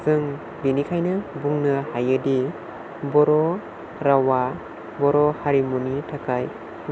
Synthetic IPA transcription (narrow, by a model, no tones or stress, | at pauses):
zɯŋ | binikʰajnɯbuŋnɯhajɯdi | bɔɾɔ | ɾawa | bɔɾɔhaɾimɔnitʰakʰaj